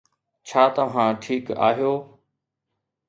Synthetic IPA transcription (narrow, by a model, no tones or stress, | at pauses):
t͡ɕʰaːt̪ɐʋ̤ãːʈʰiːka̰ːɦijoː